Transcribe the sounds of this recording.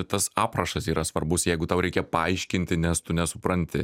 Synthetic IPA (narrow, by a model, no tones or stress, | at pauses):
t̪ɐsɑːprɐʃɐsiːɾɐsʋɐɾbʊsjɛɪɡʊt̪ɐʊɾʲɛɪkʲɛpɐɐɪʃʲkʲɪnʲt̪ʲɪnʲɛst̪ʊnʲɛsʊpɾɐnʲt̪ʲɪ̰